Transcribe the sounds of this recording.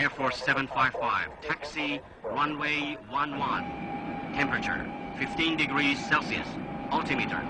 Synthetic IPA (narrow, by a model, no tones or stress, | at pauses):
ɛɹfɔɹssɛvə̃nfaɪv̥faɪv̥tʰæksi | ɹʌ̃nweɪwʌ̃nwʌ̃ntʰɛ̃mpɹɨt͡ʃə̰˞fɪftĩndɨɡɹiz̥sɛlˠsiɨ̰sʌlˠtʰɨmiɾə̰˞